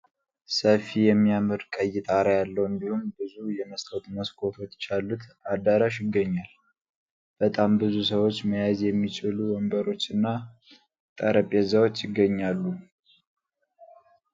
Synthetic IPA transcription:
səfijɛmːijamɨɾkʼəjːɪt̪ʼaɾajalːəwɨnd̪ihumbɨzujɛməst̪ʰəwt̪məskʰo̞fət̪t͡ʃalːut̪ad̪aɾaʃjɪɡːəɲːal | b̥ət̪ʼambɨzusəwo̞t͡ʃːməjazjɛmːit͡ʃɪluwɔmbəɾo̞t͡ʃːɨnːa | t̪ʼəɾəpʼːezawo̞t͡ʃːjɪɡːəɲːalːu

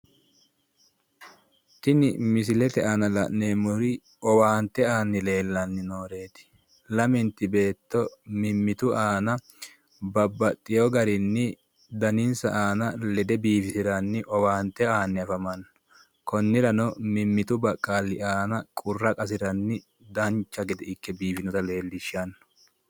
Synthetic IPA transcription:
t̪ɪnɪmɪs̬ɪlɛt̪ɛʔɐnɐlɐ̰ʔneːmʊɾɪ | ɔwaːnt̪ːɛaːnːɪle̞ːlːɐnːɪnoːɾe̞ːt̪ɪ̥ | lɐmɪnt̪ɪbe̞ːt̪ːɔmɪmːɪt̪ʊʔaːnɐ | bɐbːɐt̪ʼːɪjɔɡɐɾɪnːɪ | d̪ɐnɪnsɐʔaːnɐlɛd̪ɛbiːfɪsɪɾɐnːɪʔɔwaːnt̪ːɛaːnːɪɐfɐmɐnːɔ | kɔnːɪɾɐnɔmɪmːɪt̪ʊbɐkʼːaːlːɪʔaːnɐkʼʊrːɐkʼɐs̬ɪɾɐnːɪ | d̪ɐnt͡ʃːɐɡɛd̪ɛɪkːɛbiːfɪnɔt̪ɐle̞ːlːɪʃɐnːɔ̥

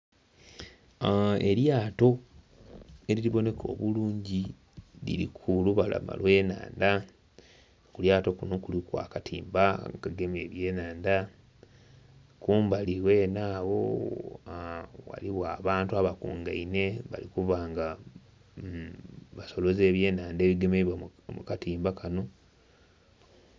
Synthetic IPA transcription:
e̞ljaːto̞ | e̞ɾiliβo̞ne̞kʰo̞̰ːβuluːɲɟi | lḭɾḭkʰuluβala̰ma̰lwe̞ːna̰ːnda | kuljaːto̞kuno̞kulikwa̰ːkatḭːmbaŋkaɡe̞me̞ːβje̞ːnaːnda | kuːmbaliwe̞naːβo̞̰ | wa̰liβwaːβaːntuaβakṵːŋɡaine̞βa̰likuβaːŋɡa | βaso̞lo̞ze̞ːβje̞ːnaːnde̞ːβiɡememukatiːmbakano̞

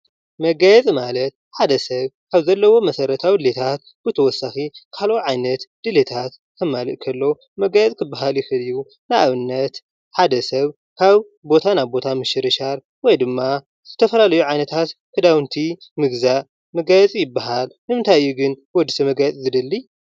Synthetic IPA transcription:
mɐɡajɛt͡sʼmalɐt̪̚ħad̪ɐsɐβkʰaβzɐlːɐwo̞mɐsɐɾɐt̪ʰawlet̪ʰat̪ | b̥ɨt̪ʰɐwɔsaxikʰalʔoʕajnɐt̪d̪̥ɨlet̪ʰat̪ | kʰɐmːalɨʔkʰɐlːo̞ | mɐɡajɛt͡sʼkʰɨbːaɦaljɪxɨlɨjːu | naʔaβɨnːɐt̪ | ħad̪ɐsɐβ | kʰaβ | bo̞t̪ʰanaβbo̞t̪ʰamɨʃɨɾɨʃaɾ | wɔjd̪ɨmːa | zɨt̪ʰɐfɐlalɐjuʕajnɐt̪ʰat̪kʰɨd̪awɨnt̪ʰimɨɡza | mɐɡajɛt͡sʼjɪbːaɦalnɨmɨnt̪ʰajɨjːuɡɨnwɔd̪ːɨsɐmɐɡajɛt͡sʼzɨd̪ɨlːi

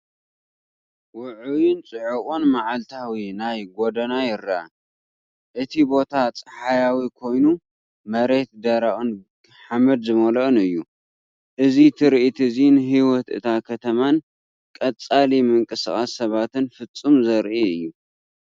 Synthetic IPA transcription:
wʊʕujɪnt͡sʼɨʕuχʼunmaʕalt̪ʰawinajɡod̪ɐnajɪɾːaa | ʔɨt̪ʰibo̞t̪ʰat͡sʼɐ̥ħajawikʰo̞jnu | mɐɾet̪̚d̪ɐɾaʔʼɨn | ħamɐd̪zɨmɐlɐʔɨnɨjːu | ʔɨzit̪ʰɨɾʔit̪ʰɨzinɦiwɔt̪ɨ̰t̪ʰakʰɐt̪ʰɐman | kʼɐt͡sʼalimɨŋkʼɨsɨχʼasːɐβat̪ɨnfɨt͡sʼːumzɐɾʔiɨjːu

